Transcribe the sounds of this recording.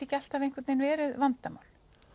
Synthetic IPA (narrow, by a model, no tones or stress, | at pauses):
ɪcɛl̥t̪avejŋ̥kʰvɛt̪nenvɛːɾɪðvant̪ama̰wl̥